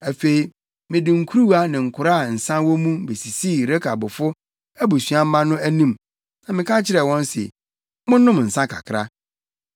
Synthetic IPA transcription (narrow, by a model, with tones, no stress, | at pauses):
æ˨fe˨i˨ | mɪ̃˨dɪ˨ŋ̩˨kʰu˦ɾu˦wa˦nɪ̃˨ŋ̩˨kʰʊ˨ɾa˦˨n̩˨sã˦wɔ̃˦mũ˦be˨si˨si˦˨ɾe˦kʰa˨bʊ˨fʊ˦ | æ˦bu˨sɥã˦m̩˦mã˦nʊ̃˦æ˦nĩ˦m | nã˨mɪ̃˨kʰa˦t͡ɕʰɪ˦ɾɛ˨wɔ̃˦n˦sɛ̰˨ | mʊ̃˦nʊ̃˦mn̩˨sã˦kʰa̰˨kʰɾa̰˦